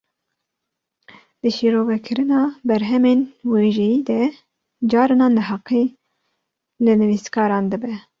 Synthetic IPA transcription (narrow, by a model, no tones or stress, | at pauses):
d̪̥ɨʃiɾoːvɛkʰɨɾɨnɑːbɛɾɦɛmeːnweːʒɛjiːd̪ɛ | d͡ʒɑːɾɨnɑːnɨɦɑqeː | lɨnɨviskʰɑːɾɑːnd̪ɨbɛ